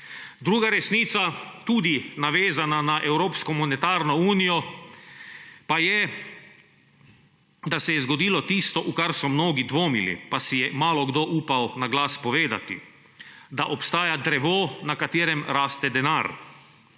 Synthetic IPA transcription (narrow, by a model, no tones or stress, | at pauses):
d̪ɾuːɡaɾɛsniːt̪sat̪uːd̪inaʋeːzananaʔɛwɾoːpskɔmɔnɛt̪aːɾnɔuːnijɔ | pajɛ | d̪asɛjɛzɡɔd̪iːlɔt̪ist̪ɔʔukaɾsɔmnoːɡid̪ʋoːmilḭpasijɛmaːlɔɡd̪oːʔuːpawnaɡlaːspɔʋeːd̪a̰t̪ḭ | d̪aʔɔpst̪aːjad̪ɾɛʋoːnakat̪eːɾɛmɾaːst̪ɛd̪ɛnaːɾ